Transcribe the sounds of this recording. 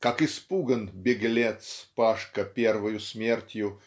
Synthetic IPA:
kakɨspuɡənbʲɪɡlʲet̪spaʂkəpʲervəjʊsʲmʲertʲjʊ

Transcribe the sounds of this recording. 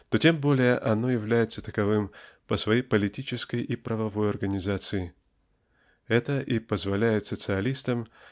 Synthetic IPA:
t̪o̞tʲe̞mbo̞lʲɪjəʔɐno̞jɪvlʲæjɪt̪sət̪əkɐvɨmpəsvɐjejpəlʲɪtʲit͡ɕɪskəjʔipɾəvɐvo̞jɐrɡənʲɪzat̪sɨɪ | ɛt̪əʔipəzvɐlʲæjɪt̪sət̪sɨɐlʲist̪əm

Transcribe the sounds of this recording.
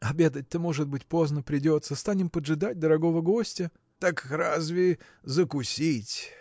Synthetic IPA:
ɐbʲe̞d̪ət̚ʲt̪əmoʐɨt̪̚bɨtʲpo̞znəpɾʲɪdʲo̞t̪səst̪anʲɪmpədʐɨd̪atʲd̪əɾɐɡo̞vəɡo̞sʲtʲə | t̪akrazvʲɪɪ | zəkʊsʲitʲ

